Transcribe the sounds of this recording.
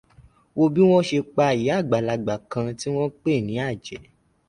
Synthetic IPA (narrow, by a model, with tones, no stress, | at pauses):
wo˧bi˦w̃ɔ̃˦ʃe˧k͡pa˧˨ji˨˦a˦˨ɡ͡ba˨la˨ɡ͡ba˨kã˧ti˦w̃ɔ̃˦k͡pe˦˨nĩ˨˦a˦˨d͡ʒɛ˨˦